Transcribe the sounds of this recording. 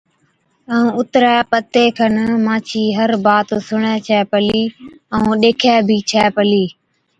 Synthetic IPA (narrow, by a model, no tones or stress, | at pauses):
əũːʊt̪ɾɛːpət̪eːkʰənmãːt͡ʃʰiːɦəɾbaːt̪sʊɳɛːt͡ʃʰɛːpəliː | əũːɗeːkʰɛːbʱiːt͡ʃʰɛːpəliː